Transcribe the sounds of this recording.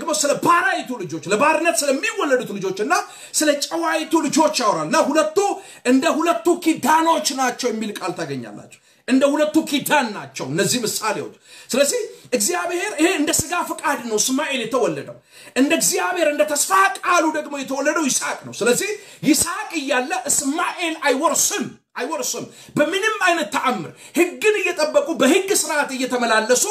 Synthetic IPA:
ɡmosɨləbaɾajt̪ʰulɨd͡ʒo̞t͡ʃːləbaɾɨnːət̪sɨləmːiwɔlːəd̪ut̪lɨd͡ʒo̞t͡ʃːɨnːa | sɨlət͡ʃʼəwajt̪ʰulɨd͡ʒo̞t͡ʃːjawɾalnːahulət̪ːu | ʔɨnd̪əhulət̪ːukʰid̪ano̞t͡ʃːnat͡ʃːɛwjɛmːilkʼalt̪ʰaɡəɲːa̰lːa̰t͡ʃːɛw | ʔɨnd̪əhulət̪ːukʰid̪anːat͡ʃːɛwɨnːəzːihmɨsʼalewo̰t̪ʼsɨləzːihʔɨɡzijaβhe̞ɾɨheɨnd̪əsɨɡafɨkʼad̪nəwsmaʔe̞ljɛt̪ʰəwɔlːəd̪əw | ʔɨnd̪əɨɡzjaβhe̞ɾɨnd̪ət̪ʰəsfakʼalud̪əɡmo̞jɛt̪ʰəwɔlːəd̪əwjɪsakʼnəwsɨləzːih | jɪsakʼɨjːalːəsmaʔe̞lajwɔɾsɨm | ʔajwɔɾsɨm | bəmɨnɨmːajnət̪ːəʔamːɨ̰ɾ | hɨɡːɨnɨjːɛt̪ʼəbːəkʼubəhɨɡːsɨɾat̪ɨjːɛt̪ʰəməlalːəsu

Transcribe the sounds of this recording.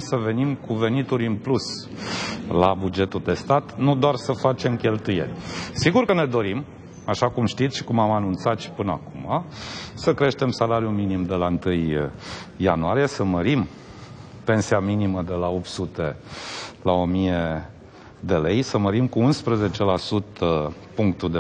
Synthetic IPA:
səve̞nimkuve̞nit̪uɾʲɨnplus | labud͡ʒe̞t̪uld̪e̞st̪at̪nud̪oarsəfat͡ʃe̞mkʲe̞lt̪uje̞̰lʲsiɡurkəne̞d̪o̞ɾim | aʃakumʃt̪it̪sʃi̥kumamanunt̪sat̪ʃi̥pɨnəa̰kumasəkɾe̞ʃt̪e̞msalaɾjuminimd̪e̞laɨnt̪ɨjː | a̰nuaɾije̞səməɾim | pe̞nsiaminiməd̪e̞lao̞p̚t̪sut̪e̞ | lao̞mije | d̪e̞le̞jsəməɾimkuunspɾəze̞t͡ʃe̞lasut̪ə | puŋkt̪ud̪

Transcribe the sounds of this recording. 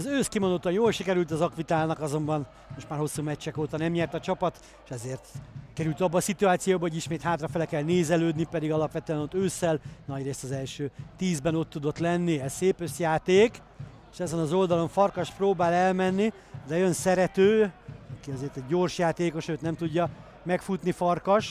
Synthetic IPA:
zøːskimond̪ot̪ːɒjoːlʃikɛɾylt̪ɒzɒkʋit̪aːlnɒkɒzo̞mbɒn | moʃt̪maːrɦo̞sːuːmɛt͡ʃːɛkoːt̪ɒnɛmɲɛrt̪ɒt͡ʃɒpɒt̪ | ʃɛzeːrt̪kɛɾylt̪ɒbːɒːsit̪uaːt̪sijoːbɒɦoɟiʃmeːt̪haːt̪rɒfɛlɛkɛlneːzɛløːd̪nipɛd̪iɡɒlɒpʋɛt̪øɛno̞t̪ːøːsːɛlnɒɟreːst̪ɒzɛlʃøːt̪iːzbɛno̞t̪ːud̪o̞t̪lɛnːiɛsseːpøsjaːt̪eːk | eʃɛzɛnɒzo̞ld̪ɒlo̞ɱfɒrkɒʃproːbaːlɛlmɛnːi | d̪ɛønsɛɾɛt̪øːɒkiɒzeːrt̪ɛɟːo̞rʃjaːt̪eːko̞ʃøːt̪nɛmt̪uɟːɒ | mɛkfut̪nifɒrkɒʃ

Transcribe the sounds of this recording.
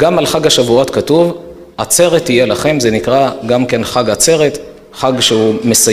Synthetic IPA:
ɡamalχaɡhaʃavuot̪katuv | at͡se̞ʁet̪ːije̞laχe̞mze̞nikʁaɡamke̞nχaɡat͡se̞ʁet̪ | χaɡʃeume̞sa

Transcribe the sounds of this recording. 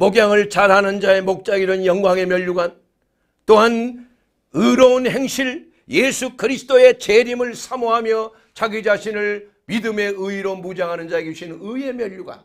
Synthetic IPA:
moɡjaŋɯɭt͡ɕaɾanɯnd͡ʑae̞mok̚t͡ɕ͈aɡiɾɯnjʌŋɡwaŋe̞mjʌʎːuɡan | t͈oɦan | ɯɾʌunhe̞ŋɕʰiɭ | jesʰukɯɾisʰɯ̥t͈oe̞t͡ɕeɾimɯɭsʰamoɦamjʌ | t͡ɕʰaɡid͡ʑaɕʰinɯɭ | midɯme̞ɯiɾomud͡ʑaŋɦanɯnd͡ʑaeɡuɕʰinɯie̞mjʌʎːuɡa̰n

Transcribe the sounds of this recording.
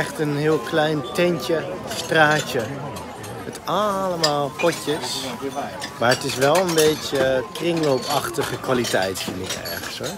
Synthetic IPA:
ɛχtənɦɪəlˠklɛjntɛncəstraːt͡ʃə | ətɑləmaːlˠpɔcəs | maːɹətɪsʋɛlˠənbejtjəkrɪŋlowpɑχtəχəkʋalitɛ̰jtfɪnɪkɛ̰ɹχənsɦɔɹ

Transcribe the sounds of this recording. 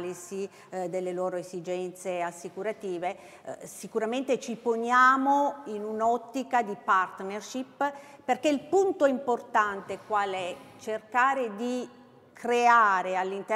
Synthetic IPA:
lisi | d̪elːelɔːɾoezid͡ʒɛnt̪seasːikuɾat̪iːve | sikuɾament̪et͡ʃiponjaːmoinunɔt̪ːikad̪ipart̪nerʃipperkeilpunt̪oimport̪ant̪ekwaːlɛt͡ʃerkaːɾed̪i | kɾeaːɾealːint̪

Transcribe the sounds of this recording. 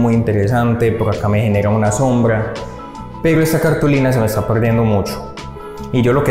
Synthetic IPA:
mujint̪e̞ɾesant̪e̞poɾakame̞xe̞ne̞ɾaunaso̞mbɾa | pe̞ɾoe̞st̪akaɾt̪ulinas̬e̞mest̪ape̞ɾd̪jend̪o̞mut͡ʃo̥ | iʝo̞lo̞ke

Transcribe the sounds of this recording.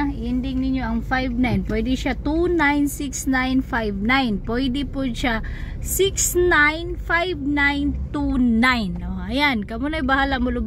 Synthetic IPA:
ʔɪnd̪ɪŋnɪɲjoʔɐŋfajvnajnpwɛjd̪ɪʃat̪unajnsɪksnajnfajvnajnpɔjd̪ɪpʊd̪̚ʃa | sɪksnajnfajvnajnt̪unajnoʔɐjankɐmʊnɐjbɐhalamolʊb

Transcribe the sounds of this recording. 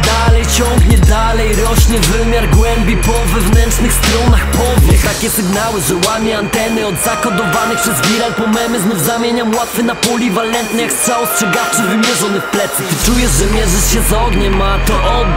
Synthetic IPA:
d̪alɛjt͡ɕɔŋɡɲɛd̪alɛjɾɔɕɲɛvɘmʲjaɾɡwɛmbʲipɔvɛvnɛnt͡ʂnɘxst̪ɾɔnaxpɔvʲɛt̪akʲɛsɘɡnawɘʐɛwamʲɛant̪ɛnɘɔd̪zakɔd̪ɔvanɛxpʂɛzɡʲiɾalpɔmɛmɘznuvzamʲjeɲamwat̪fɛnapulʲivalɛnt̪̚nɛjakstʂaɔstʂɛɡaft͡ʂɨvɘmʲjɛʐɔnɘxplɛt̪sɛ̥t̪ɨt͡ʂujɛʂʐɛmʲjɛʐɘsɕɛzɔɡ̪ɲɛmat̪ɔʔɔ

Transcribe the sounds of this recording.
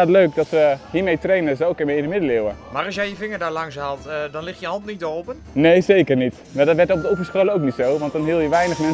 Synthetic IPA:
tløːkdɔtʋəhiːmejtrejnəsookɪnʋeɪndəmɪdəlɪwəmaːɾɑlˠsjɛjjəvɪŋəɹdaːɹlɑŋsɦaːlˠtdɑnlɪxtjəhɑntnitdopənnejzeːkərnit | ʋɛlˠdɔtʋɛtɔb̚dəufvəɹsχoləowknitsowʋɑntdɔnɦiːlˠjəʋɛjnəχmɛn

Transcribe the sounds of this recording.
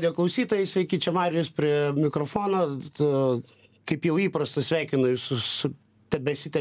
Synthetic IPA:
d̪ʲɪjoːklˠɐʊsʲiːt̪oːjɛɪsʲʋʲɛɪkʲiːt͡ʃʲɛmɑːɾʲɪjospʲɾʲiɛmʲɪkɾofoːnoː | kɐɪpjɛʊiːpɾɐst̪ɐsʲʋʲæˑɪkʲɪnoːjsʊsʊ | t̪ʲɛbʲɛsʲɪt̪ʲɛ

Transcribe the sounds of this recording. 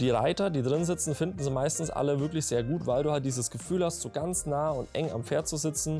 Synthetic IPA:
d̥iːʁa̰ɪtɐdiːdʁɪnzɪt͡sn̩fɪndn̩zima̰ɪstn̩sʔa̰ləvɪɐklɪçz̥eːɐɡuːtvaɪlduːhalt̚d̥iːzəsɡ̥əfyːlhastz̥oːɡant͡snaːʊntʔɛ̰ŋa̰mfeːɐtt͡suzɪt͡sn̩

